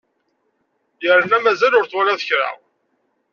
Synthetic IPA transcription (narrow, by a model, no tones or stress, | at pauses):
jəɾənæmæzælʊɾθwæɾaðəçɾa̰ʁ